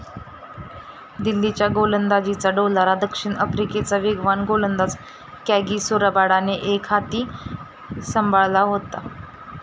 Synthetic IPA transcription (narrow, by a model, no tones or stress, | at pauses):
d̪ilːit͡ɕjaɡolənd̪ad͡ʑit͡saɖolaɾad̪əkʂiːɳəfɾiket͡saʋeɡʋanɡolənd̪at͡s | kaɡisoɾəbaɽaneʔekʰat̪iː | səmbʱaɭlaɦot̪a